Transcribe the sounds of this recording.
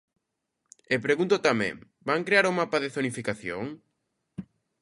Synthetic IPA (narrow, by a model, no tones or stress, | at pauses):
epɾeɣunt̪ʊt̪amɛ̰̃ŋ | baŋkɾeaɾumapaðeθonifikaθjo̰ŋ